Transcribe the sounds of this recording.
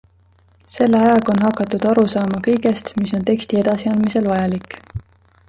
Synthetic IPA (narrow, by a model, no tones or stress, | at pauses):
se̞lːeɑjɑɡ̥o̞nɦɑkːˑɑt̪ːˑud̪̥ɑɾusɑːmɑkɤjɡ̥e̞st̪miso̞nt̪e̞kst̪ie̞d̪̥ɑsiɑnd̪mise̞lvɑjɑlikːˑ